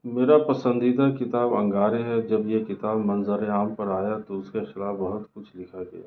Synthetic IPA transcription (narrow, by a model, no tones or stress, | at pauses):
meːɾapɐsə̃nd̪id̪akɪt̪aːbɐ̰̃ŋɡaːɾeɦɛd͡ʒɐbjekɪt̪aːbmɐnzəɾeaːmpɐɾaːjat̪oʊskexɪlaːfbɐɦʊt̪kʊt͡ʃʰlɪkʰaɡɐ̰ja̰ː